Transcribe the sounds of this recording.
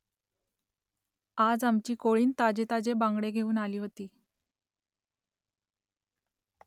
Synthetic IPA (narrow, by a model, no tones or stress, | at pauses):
ad͡zamt͡ɕiːkoɭiːnt̪ad͡ʑet̪ad͡ʑebãŋɡɽeɡʱeuːnaliːɦot̪iː